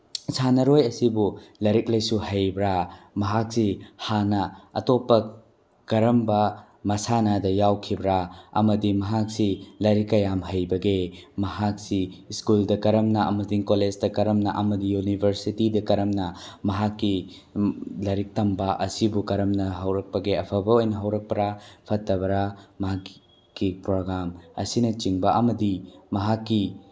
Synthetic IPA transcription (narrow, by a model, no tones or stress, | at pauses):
sʰanɐɾojɐsibulɐɾik̚lɐjsuhɐjbɾamɐɦak̚sihanɐɐ̰topːɐ | kɐɾɐmbɐ | mɐsanadɐjawkʰibɾaɐ̰mɐdimɐɦak̚silɐɾikːɐjamɦɐjbɐɡemɐɦak̚siskuldɐkɐɾɐmnɐɐmɐtiŋkoled͡ʒdɐkɐɾɐmnɐʔɐmɐdijunibʱɐɾsitidɐkɐɾɐmnɐmɐɦakːi | lɐɾik̚tɐmbɐʔɐsibukɐɾɐmnɐɦɐwɾɐk̚pɐɡeɐpʰɐbɐojnɐɦɐwɾɐk̚pɐɾapʰɐtːɐbɐɾamɐɦak | kːipɾoɡɾamɐ̰sinɐt͡ʃiŋbɐʔɐmɐdimɐɦakːi